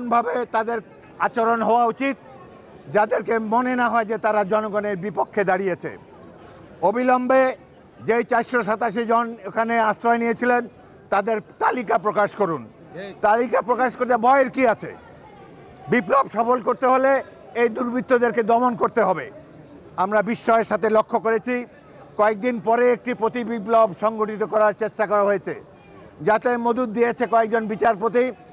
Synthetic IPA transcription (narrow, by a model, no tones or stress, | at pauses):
onbʱabet̪ad̪eɾ | at͡ɕoɾonɦɔoaut͡ɕit̪̚ | d͡ʑad̪eɾkemonenaɦɔed͡ʑet̪aɾad͡ʑɔnoɡoneɾbipokʰːed̪aɾijet͡ɕʰḛ | obʱilɔmbe | d͡ʑejt͡ɕaɾʃoʃ̬at̪aʃ̬id͡ʑonkʰaneast̪ɾɔenijet͡ɕʰilen | t̪ad̪eɾt̪alikapɾokaʃkoɾun | t̪alikapɾokaʃkoɾt̪ebʱɔeɾkiat͡ɕʰḛ | biplobʃɔfolkoɾt̪eɦole | ejd̪uɾbʱit̪ːod̪eɾked̪ɔmonkoɾt̪eɦɔbe | amɾabiʃːɔeɾʃat̪ʰelokʰːokoɾet͡ɕʰi | kɔek̚d̪inpɔɾeek̚ʈipɾot̪ibiplobʃɔŋɡoʈit̪̬okɔɾaɾt͡ɕeʃʈakɔɾaɦoet͡ɕʰḛ | d͡ʑat̪emod̪ud̪̚ːijet͡ɕʰekɔek̚d͡ʑonbit͡ɕaɾpot̪̬i